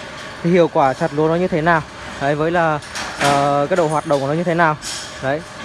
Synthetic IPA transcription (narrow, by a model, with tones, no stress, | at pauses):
t̪ʰi˨˩hḭ˧˨əwkwaː˧˩t͡ɕa˨˩t̚lu˨˦nɔ˨˦ɲɨ˧t̪ʰe˨˦naː˨˩w | zə˨˦jvəː˨˦jlaː˨˩ʔəː˨˩kaː˨˥ɗo̰˧˨hwaː˨˩t̚ɗə̰˧˨wŋ͡mnɔ˨˦ɲɨ˧t̪ʰe˨˦naː˨˩w | zə˨˦j